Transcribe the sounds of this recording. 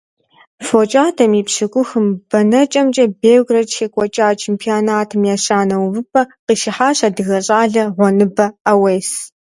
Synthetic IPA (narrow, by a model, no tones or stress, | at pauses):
fot͡ʃʼaːtʰɐmipɕɨkʷʼʊxɨmb̥ɐnɐt͡ʃʼɐmt͡ʃʼɐbeːwɡrɐt͡ʃxeːkʷʼɔt͡ʃʼaːt͡ʃʰeːmpʰionaːtʰɨmjaːɕaːnɐwvɨpʰʼɐqiːʃɪħaːɕadɨɣɐɕʼaːɮɐʁʷɔnɨbɐaweːs